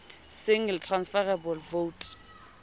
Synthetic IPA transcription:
sɪŋltʰransfɛrɛbɔlvout

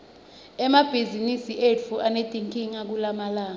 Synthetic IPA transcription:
ɛmab̥ʱizinisiʔefuʔaned̥ʱʼiŋkʼiŋak̬ulamalaːŋ

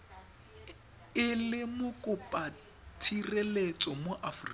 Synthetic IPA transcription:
ɪlɪmʊkʼʊpʼa | tʰirelet͡sʼɔmoʔafrḭ

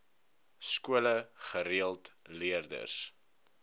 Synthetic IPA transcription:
skuələχəɾiəlˠtliərdə̰s

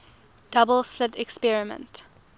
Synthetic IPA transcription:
d̥abəlˠslɪtɛkspɛɹɪmə̰̃nt

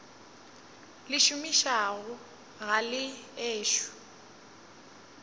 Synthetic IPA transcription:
lɪʃumiʃaɣʊ | ɣalɪeːʃu̥

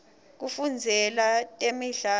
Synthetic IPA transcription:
k̬ufund͡zʱɛlatʼemiɮa

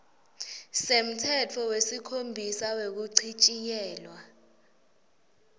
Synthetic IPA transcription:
sem̩tʰɛtʰɔwesikʰombʱisawek̬uǀʰit͡ʃʼijɛːlwa

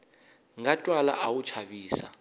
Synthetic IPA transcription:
ŋatʼwala̰ʔawut͡ʃʰaβiːsa̰

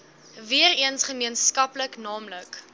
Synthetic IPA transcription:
viəriənsχəmiənskɐpləknɑːmlək

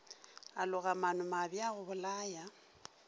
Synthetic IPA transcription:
alʊɣamanʊmabjaɣʊbʊlaːja

